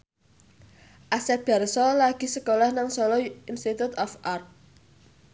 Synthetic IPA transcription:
ʔasɛb̥a̤rsɔlaɡ̥i̤səkolɔhnaŋsɔlɔinst̪it̪ut̪ɔfʔart̪̚

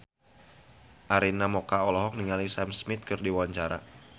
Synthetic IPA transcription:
ʔaɾinamɔkaɔlɔɦɔk̚niŋalisamsmɪt̪̚kɨrdiwaɲt͡ʃaɾa̰

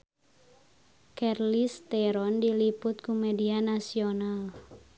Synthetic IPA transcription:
kɛrlist̪ɛɾɔndilipʊt̪̚kumedianasional

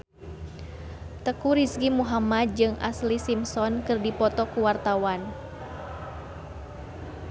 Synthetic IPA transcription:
t̪əkuɾiskimuɦamad̪̚d͡ʒɨŋʔa̰slisimsɔnkɨrdipɔt̪ɔkuwart̪awan

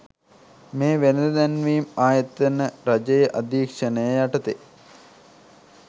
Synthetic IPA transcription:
meːʋenɐd̪ɐd̪ænʋiːumaːjɐt̪ːɐnəɾɐd͡ʒɐjəʔɐd̪iːkʂɐnəjəjɐʈɐt̪e

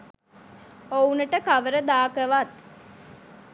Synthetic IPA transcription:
ounəʈəkaʋəɾəd̪aːkəʋat̪̚

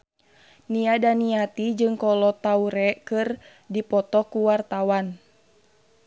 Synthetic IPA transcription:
niadaniat̪id͡ʒɨŋkɔlɔt̪auɾɛkɨr | dipɔt̪ɔkuwart̪awan

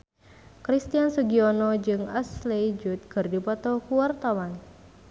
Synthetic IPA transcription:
kɾist̪iansuɡiɔnɔd͡ʒɨŋa̰sled͡ʒut̪̚kɨrdipɔt̪ɔkuwart̪awan

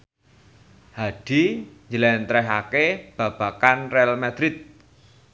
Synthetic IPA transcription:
haɖ̥iɲd͡ʒəlɛnt̪ɾɛɦakeb̥ä̤b̥a̤kanrɛalmad̪̥ɾɪt̪̚

